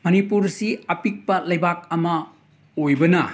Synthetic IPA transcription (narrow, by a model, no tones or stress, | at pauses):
mɐnipuɾsiɐpik̚pɐlɐjbak̚ɐmɐ | ojbɐnɐ